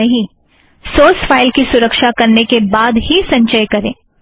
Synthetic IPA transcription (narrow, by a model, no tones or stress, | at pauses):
ɐɦĩ | soːsfaːɪlkisʊɾəkʃakɐɾnekebaːd̪ɦisɐ̃ɲt͡ʃəjkɐɾḛ̃ː